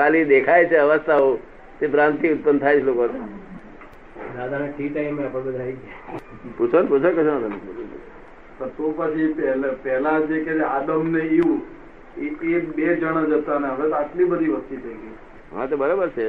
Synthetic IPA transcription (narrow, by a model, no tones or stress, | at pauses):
kʰalid̪ekʰajt͡ʃʰeəʋəst̪ʰaɦo | t̪epɾãnt̪iʊt̪̚pənd̪t̪ʰaet͡ʃʰlokot̪e | d̪ad̪ʱaneʈʰiʈaimeapəɽ̃bəd̪ʱaid͡ʒʰe | put͡ʃʰonput͡ʃʰəkət͡ʃʰonad̪ʱaneṵ | t̪ət̪opət͡ʃʰipɛlepɛɦlãd͡ʒeket̪ead̪əmneiũ | ekekbed͡ʒəɽ̃ad͡ʒət̪aneəʋet̪aʈlibəd̪ʱiʋəst̪it̪ʰəɡi | ɦã̰t̪obəɾobəɾt͡ʃʰe